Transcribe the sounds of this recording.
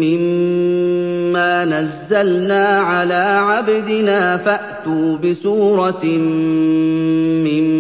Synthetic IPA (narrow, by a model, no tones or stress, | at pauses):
ɪm | aːnazːalnaːʕalaːʕabd̪ɪnaːfaʔt̪uːbɪsuːɾˤɑ | ɪm